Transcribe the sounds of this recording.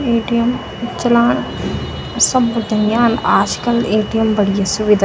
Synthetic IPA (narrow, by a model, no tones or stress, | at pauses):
eːʈijɐm | t͡ʃɐlaːn | sɐbːud̪ɐmjaːnaːʃkɐleːʈijɐmbɐɽijɐsuʋid̪ʱa